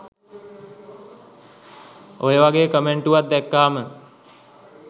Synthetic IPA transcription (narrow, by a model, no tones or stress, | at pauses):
ojəʋaɡeːəkəmeɳʈuʋat̪̚d̪ɛkːaːmə